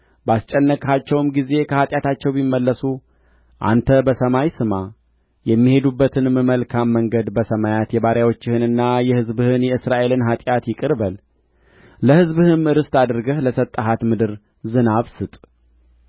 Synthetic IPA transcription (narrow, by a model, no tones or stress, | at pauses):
bast͡ʃʼːɛnːəkhat͡ʃːɛwmɡize̞kʰəhat̪ʼjat̪ʰat͡ʃːɛwbimːəlːəsu | ʔa̰nt̪ʰəbəsəmajsɨma | jɛmːihe̞d̪ubːət̪ʰɨnmɨməlkʰamːəŋɡəd̪bəsəmajat̪jɛβaɾjawot͡ʃːɪhɨnɨnːajɛhɨzbɨhɨnjɛɨsɾaʔe̞lɨnɦat̪ʼjat̪jɪkʼɨɾbəl | ləhɨzbɨhɨmɨɾɨst̪ad̪ɨɾɡəhləsət̪ʼːəɦat̪mɨd̪ɨɾ | zɨnaβsɨt̪ʼ